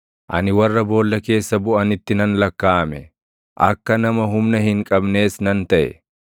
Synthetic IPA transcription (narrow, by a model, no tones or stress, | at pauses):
ʔɐ̰nɪwɐrːɐbo̞ːlːɐke̞ːsːɐbʊʔɐnɪt̪ːɪnɐnlɐkːaːmɛ | ʔɐkːɐnɐmɐɦʊmnɐhɪŋkʼɐbne̞ːsnɐnt̪ɐʔɛ̰